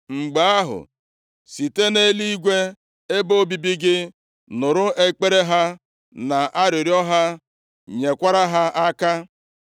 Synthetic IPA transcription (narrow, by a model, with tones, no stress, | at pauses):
ŋ͡m̩˨ɡ͡ba˦a˦ɦʊ̰˨ | si˨te˦ne˦li˦ɡʷe˦ | e˦bo˦bi˨bi˦ɡɪ˦ | nʊ˨ɾʊ˦ʔe˦k͡pe˦ɾe˦ɦa˦ | na˨ʔa˦ɾɪ˨ɾjɔ˦ɦa˦ | ɲe˨kʷa˦ɾa˦ɦa˦a˦ka˦